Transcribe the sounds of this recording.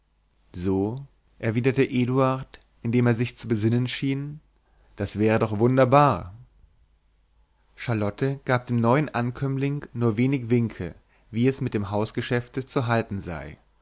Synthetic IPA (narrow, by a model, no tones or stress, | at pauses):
zoː | ʔɛɐviːdɐtəʔeːduaɐt | ʔɪndeːmeːɐzɪçt͡subəzɪnənʃiːn | d̥asv̥ɛːʁ̞ədɔχv̥ʊndɐbaːɐ | ʃaɐlɔtʰəɡ̥aːp̚d̥eːmnɔʏənʔankʰœmlɪŋnuːɐveːnɪçv̥ɪŋkʰlə | viːɛsmɪt̚d̥eːmɦaʊsɡ̥əʃɛftət͡suɦaltn̩za̰ɪ